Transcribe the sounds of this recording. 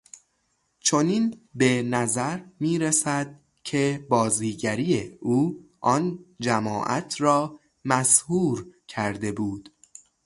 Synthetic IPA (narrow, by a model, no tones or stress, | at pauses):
t͡ʃʰo̞niːnbenæzæɾmiːɾesæd̪̥̚ | cʰe̞bɒːziːɟæɾijeuːʔɒːnd͡ʒæmɒ̰ːʔæ̰t̪ʰrɒː | mæshuːɾcʰæɾd̪e̞buːd̪̥